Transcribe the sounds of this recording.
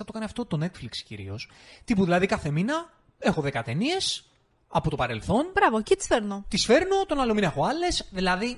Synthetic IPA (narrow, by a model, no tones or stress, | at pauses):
ɐt̪o̞kɐniɐft̪o̞t̪o̞ne̞t̪flikscḭɾḭo̞s | t̪ipuðilɐðikɐθe̞minɐ | e̞xo̞ðe̞kɐt̪e̞nie̞s | ɐpo̞t̪o̞pɐɾe̞lθo̞nbɾɐvocit̪i̥sfeɾnot̪isfe̞ɾno̞t̪o̞nɐlo̞minɐe̞xo̞ɐle̞sðilɐði